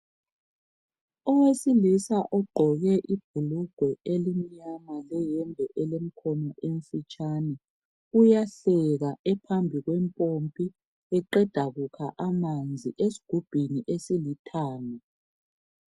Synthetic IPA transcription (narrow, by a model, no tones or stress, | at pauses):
ɔwesilisaʔɔɡ͡ǃʱɔɣɛʔib̥ʱuluɡ̥ʱwɛelimiɲamalɛjɛmbʱɛʔɛlem̩kʰɔnɔʔeɱ̩fit͡ʃʼanɛ | ujaɬɛɣaʔɛpʰambʱiɣwɛmpʼompʼi | ɛǃɛd̥ʱaɣukʰaʔamand͡zʱiʔesi̥ɡ̥ʱub̥ʱiniʔesilitʰaːlɛ